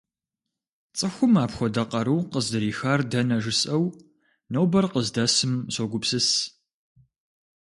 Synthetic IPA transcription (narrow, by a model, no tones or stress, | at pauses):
t͡sʼɨxʷʊmaːpxʷɔdɐqɐɾɨːqəzɨɾiːxaːrdɐnɐʒɨsʼɐw | nɐwbɐrqəzdɐsɨmsoɡʷʊpsɨs